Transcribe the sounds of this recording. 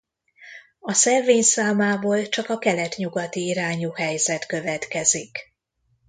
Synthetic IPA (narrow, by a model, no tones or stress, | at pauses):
ɒsɛrveːɲsaːmaːboːlt͡ʃɒkɒkɛlɛt̪ɲuɡɒt̪iːɾaːɲuhɛjzɛt̪kø̞vɛt̪kɛzik